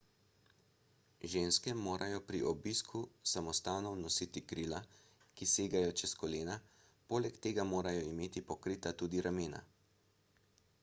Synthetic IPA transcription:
ʒeːnskɛmoːɾʔajɔpɾiʔɔbiːskʰusamɔst̪aːnɔwnɔsit̪ikɾiːla | kiseːɡajɔt͡ʃɛskɔleːna | poːlɛkt̪eːɡamoːɾajɔimeːt̪ipɔkɾiːt̪at̪uːd̪iɾameːna̰

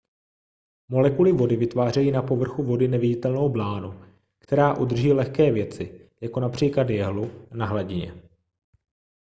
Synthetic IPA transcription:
mo̞lɛkulɪvo̞dɪvɪt̪vaːrɛjiːnapo̞vr̩xuvo̞dɪnɛvɪɟɪt̪ɛlno̞wblaːnu | kt̪ɛɾaːʔud̪r̩ʒiːlɛxkɛːvjɛt͡sɪjako̞napr̥iːklad̪jɛɦlunaɦlaɟɪɲɛ̰

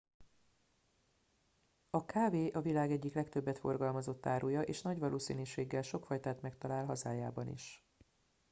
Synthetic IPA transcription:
ɒkaːveːʔɒvilaːɡɛɟːiklɛkt̪ø̞bːɛt̪fo̞̰rɡɒlmɒzo̞t̪ːaːɾujɒʔeːʃnɒɟʋɒlʔoːsḭːniʃeːɡːɛlʃo̞kfɒjt̪aːt̪mɛkt̪ɒlaːlɦɒzaːjaːbɒnḭʃ

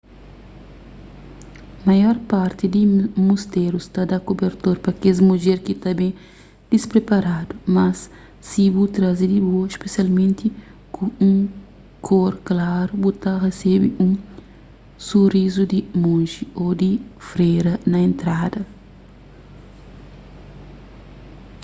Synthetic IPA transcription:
mɐjɔɾpaɾt̪id̪imust̪eɾust̪ad̪akobeɾt̪oɾpɾɐkezmuʒeɾkit̪abẽ | d̪̥ispɾepaɾad̪umɐsː | ibut̪ɾazid̪iboespesialmẽnt̪i | kʰũũŋ | kʰoɾklaɾubut̪aresebiʔũ | surizud̪imõnʒiod̪ifɾejɾɐnɐẽnt̪ɾad̪ɐ

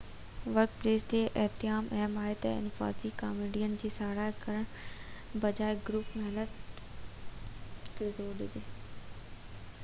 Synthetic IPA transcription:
ʋɐɾkpleːst̪eʔɪɦt̪ɪjaːmɐɛɦmaːɪt̪ɐɪ̰nfa̰ːzikaːmeɖijənd͡ʑiːsaːɽaːkɐɾəɽ̃ | bɐd͡ʑaːɪɡɾuːpmɛɦnət̪ | keːzoːɾɗɪd͡ʑeː

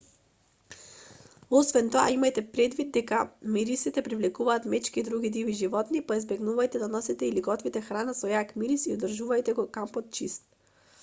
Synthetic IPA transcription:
ɔsvɛnt̪ɔa̰imajt̪ɛpɾɛd̪vid̪̚d̪ːɛkamiɾisit̪ɛpɾivlɛkuvaːt̪mɛt͡ʃkiːd̪ɾuɡid̪iviʒivɔt̪nipaizbɛɡnuvajt̪ɛd̪anɔsit̪ɛiliɡɔt̪vit̪ɛxɾanasɔjakmiɾisiod̪rʒuvajt̪ɛɡɔkampɔt̪̚t͡ʃist̪̚

